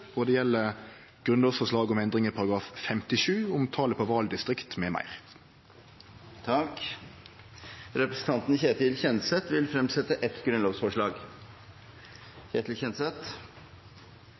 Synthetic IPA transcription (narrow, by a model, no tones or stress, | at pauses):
ɔd̪ɛːjɛlːə | ɡ̥ʁʉnloːsfɔʂɭɑːɡɔmɛnd̪ʁɪŋəpʰɑɾɑɡɾɑːffɛmt̪ɪʂʉːʊmt̪ʰɑːləpʰoːʋɑːld̪ɪst̪ʁɪkt̪meːmæ̰ɪʁ | t̪ʰɑk | ɾɛpɾəsn̩t̪ɑnt̪nçeːt̪ɪlçɛnsɛt̪ʋɪlfɾɛmsɛt̪əʔɛt̪ɡɾʉnəloːʋsfɔʂɭɑːɡ | çeːt̪ɪlçɛnsɛt̪